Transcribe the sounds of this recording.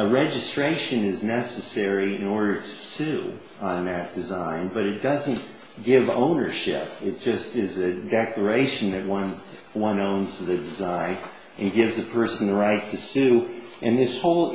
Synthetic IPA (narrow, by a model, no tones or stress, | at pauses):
əɹɛd͡ʒɨstɹ̥eɪʃɨ̃nɪznɛsɨsɛɹiɪ̃nɔɹɾə˞ɾɨ̥sʉ | ə̃nðɨt̚d̥ɨzãɪ̃nbʌɾɨt̚d̥ʌzɨ̃n | ɡ̥ɪvõ̰ʊ̃nə˞ʃɪ̰p̚ɨt̚d̥ʒ̥ʌstɪzɨdɛklə˞eɪʃɨ̃n̩ðɨt̚wʌ̃n | wʌ̃nõʊ̃nzðɨdɨzãɪ̃n | ɨ̃nɡɪvzɨpʰɜ˞sn̩ðəɹaɪtʰɨsʉʔɨ̃nðɪshoʊlˠ